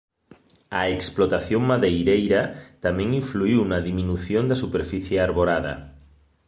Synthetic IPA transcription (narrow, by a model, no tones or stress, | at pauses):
aeksplot̪aθjoŋmaðejɾejɾat̪amẽŋiɱfluiwnaðimĩnuθjond̪asupeɾfiθjeaɾβoɾaða̰